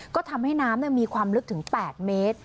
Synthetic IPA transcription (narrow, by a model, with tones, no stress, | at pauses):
kɔː˥˩t̪ʰa˧mha˥˩jnaː˦˥mnɯ˥˩miː˧kʰwaː˧mlɯ˦˥k̚t̪ʰɯ˩˦ŋpɛː˨˩t̪̚meː˦˥t̪̚